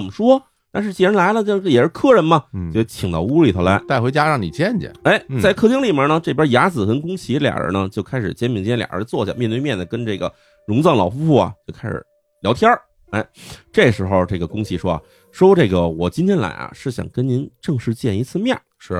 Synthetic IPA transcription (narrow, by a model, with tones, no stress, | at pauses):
ə˨˩mə˩ʂwɔ˥ | t̪a˥˧nʂɻ̩˥˧t͡ɕɛ˥˩ɻə˧˥nla˧˥ɪlə˧t͡ɕ̩˥˧˥jɛ˨˩ʂɻ̩˥˧˩kʰɤ˥˩ɻə˧˥nmɐ˧t͡ɕo˥˧˩t͡ɕʰi˨˩ŋt̪ɑ˥˧ʊu˥li˧˨˩t̪ʰa˧˥la˧˥ɪt̪a˥ɪxwe˧˥ɪt͡ɕja˥ɻɑ˥˩ŋni˨˩t͡ɕjɛ˥˩nɛ̰˨˩e˧˥˩ɪt͡sa˥˧ɪkʰɤ˥˧t͡ɕi˥ŋli˨˩bjə˧˥nə˧ʈ͡ʂɤ˥˩pjə˥ja˧˥t͡sɹ̩˨˩xə˧˥nkʊ˥ŋt͡ɕʰi˧˥ljɑ̰˨˩ə̰˧˥nə˧t͡ɕjo˥˩ʊkʰa˥ɪʂɻ̩˨˩t͡ɕjɛ˥nmi˧˩ŋ˥lj̰ə̰˧˥t͡swɔ˥˧˩ɕja̰˥˧mjnt̪we˥˧mjɛ˥˩nd̪ə˩kə˥nʈ͡ʂɤ˥˩ɡə̰˩ | ɻʊ˧˥ŋt͡sɑ˥˩ŋlɑ̰˨˩ʊfu˥fu˥˩ɐ̰˩t͡ɕjo˥˩ʊkʰa˥ɪʂɻ̩̰˨˩˦ | ljɑ˧˥ʊt̪ʰjɑ˥ | e˥˩ɪʈ͡ʂe˥˩ɡə˩ʂɻ̩˧˥xo˥˧ʊʈ͡ʂe˥˩ɡə˩kʊ˥ŋt͡ɕʰi˧˥ʂwɔ˥a̰˨˩ | ʂwɔ˥ʈ͡ʂɤ˥˩ɡə˩wɔ˨˩t͡ɕi˥nt̪ʰjɛ˥nla̰˧˥ɪɐ̰˧ʂɻ̩˥˩ɕjɑ̰˨˩ŋkə˥nni˧˥nʈ͡ʂɤ˥˧ŋʂɻ̩˥˧t͡ɕjɛ˥˩ni˧˥t͡sʰɹ̩˥˧mjɛ˥˩nʂɻ̩˥˧˩